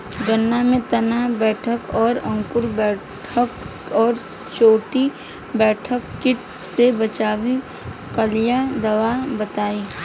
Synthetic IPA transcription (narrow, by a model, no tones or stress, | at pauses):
ɡɐnːamẽt̪ɐnabɛːʈʰəkɔːɾɐ̃ŋkʊɾbɛː | ʈʰəkɔːɾ | t͡ʃoːʈi | bɛːʈʰəkːɪʈ | sebɐt͡ʃaːʋi | kəlɪjad̪ɐʋabɐt̪aːiː